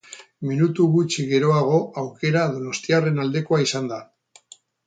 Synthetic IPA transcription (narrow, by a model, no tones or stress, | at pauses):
minut̪uɣut͡ʃiɣe̞ɾo̞aɣ̞o̞awke̞ɾað̞o̞no̞st̪iare̞nald̪e̞ko̞aisand̪a